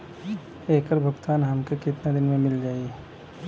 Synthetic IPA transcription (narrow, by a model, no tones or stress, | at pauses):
eːkəɾbʱɐɡt̪aːnɦɐmkekɪt̪nad̪ɪnmẽmɪld͡ʒaːi